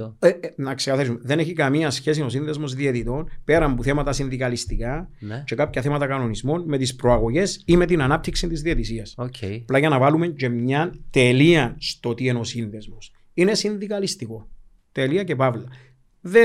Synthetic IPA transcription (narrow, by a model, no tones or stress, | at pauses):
enɐksekɐθɐisumeðe̞neçikɐmiɐsçe̞s̬ino̞sinðe̞zmo̞zðiet̪it̪o̞npe̞ɾɐmbuθe̞mɐt̪ɐsinðikɐlist̪ikɐt͡ʃe̞kapçɐθemɐt̪ɐkɐno̞nizmo̞nme̞t̪ispɾoɐɣo̞ʝe̞sime̞t̪inɐnɐp̚t̪iksint̪izðiet̪isiɐsoceplɐʝɐnɐvɐlume̞ɲt͡ʃe̞mɲɐnt̪e̞liɐst̪o̞t̪ieno̞sinðe̞zmos | inesinðikɐlist̪iko̞ | t̪eliɐce̞pɐvlɐ | ðe